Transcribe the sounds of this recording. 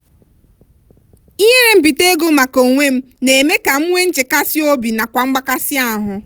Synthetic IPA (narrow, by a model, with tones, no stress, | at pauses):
i˦ɦe˦ɾe˦m̩˨bi˨te˦ɡo˦ma˨ko˨ŋʷe˦m̩˦ | ne˨eme˦ka˨m̩˦ŋʷe˦n̩˦t͡ʃe˨ka˦sɪ˦o˦bi˨na˨kʷa˨ŋ͡m̩˦ɡ͡ba˦ka˦sɪ˦a˦˨ɦʊ˨